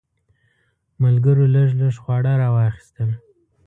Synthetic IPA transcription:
malɡəɾoləʐləʐxwɑɽaɾɑwɑxi̥st̪əm

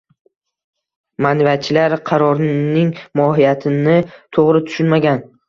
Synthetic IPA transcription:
manvat͡ʃʰɪlaɾqʰɑɾɒɾnɪŋmɒɦijat̪ʰɪnɪt̪ʰoʁɾɪt̪ʰʊ̥ʃʊnmaɡʲan

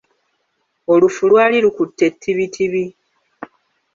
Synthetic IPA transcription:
o̞lufulwaːlilukutːe̞tʰːiβitʰiβi

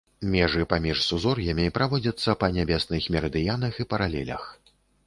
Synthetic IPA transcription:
mʲɛʐɨpamʲiʂsuzɔrjɐmʲipɾavɔd͡zʲɐt̪sːɐpɐnʲabʲɛsnɨxmʲɛɾɐd̪ɨjanɐxipɐɾalʲɛ̰lʲɐ̰x

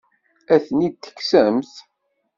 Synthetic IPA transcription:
æθənid̪̚t̪ːə̥kːsæmθ

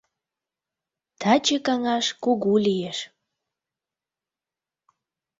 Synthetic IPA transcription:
t̪ʰɑt͡ɕekɑŋɑʃkuɣulijeʃ

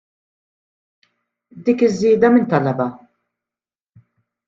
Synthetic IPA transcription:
d̪iːkɪzːiːd̪ɐmɪnt̪ɐlːɐbɐ

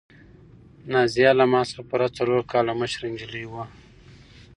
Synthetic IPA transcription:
nɑzijɑlamɑspuɾat͡saloɾkɑlaməʃɾɪnd͡ʒəlijwa

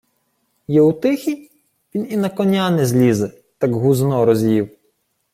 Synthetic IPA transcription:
jɛut̪ɪxʲidʲ | pʲininɐkɔnʲanɪzʲlʲizɛ | t̪ɑɡɦuznɔɾɔzʲjiw

